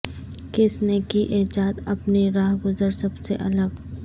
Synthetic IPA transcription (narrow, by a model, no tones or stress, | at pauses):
kɪsnekiʔeːd͡ʒaːt̪ɐpniɾaːɦɡʊzəɾsɐbseʔɐləɡ